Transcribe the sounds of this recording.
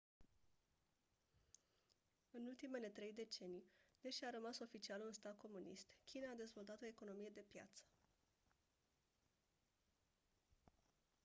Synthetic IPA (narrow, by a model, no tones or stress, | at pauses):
ɨnult̪ime̞le̞t̪ɾe̞jd̪e̞t͡ʃe̞nijd̪eʃaɾəmaso̞fit͡ʃialunst̪ad̪̚kʰo̞munḭst̪kʲʰinaːd̪e̞zvo̞lt̪at̪o̞e̞ko̞no̞mije̞d̪e̞pja̰t̪sə̥